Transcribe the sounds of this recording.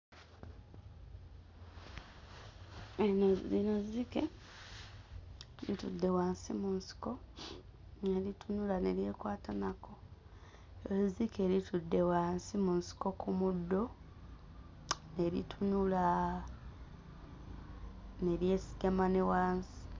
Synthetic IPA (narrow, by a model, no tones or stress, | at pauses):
enozinozike | lḭtudːe̞waːnsimunsi̥ko̞ | neɾitunulane̞ɾje̞ːkwaːtanako | zike̞ɾitudːe̞waːnsimunsi̥ko̞kumudːo̞ | ne̞ɾḭtʰunula | ne̞ɾje̞si̥ɡamanewaːnsi̥